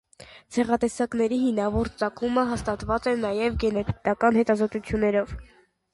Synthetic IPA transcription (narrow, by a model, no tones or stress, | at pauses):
t͡sʰɛʁɑt̪ɛsɑknɛɾihimnɑvɔɾt͡sɑkʰuməɦɑst̪ɑt̪vɑt͡sɛnːɑjɛvɡɛnɛt̪ʰt̪ɑkɑnhɛt̪ɑzɔt̪ut͡sʰjunːɛɾɔv